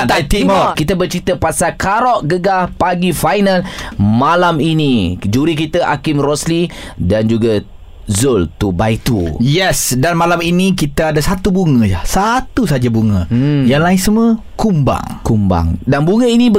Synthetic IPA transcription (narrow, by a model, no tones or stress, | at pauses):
at̪iɔkit̪əbərt͡ʃɾit̪əpasakaɾɔʔɡəɡahpaɡifajnalmalaminid͡ʒuɾikit̪əʔa̰kɪmrɔslidand͡ʒuɡa | zʊlt̪ubajt̪ṵjɛsdanmalaminĩkit̪əadasat̪ubuŋə̃jahsat̪usad͡ʒabuŋə̃jaŋlaɪnsəmə | kumba̰ŋkumba̰ŋdanbuŋə̃inĩb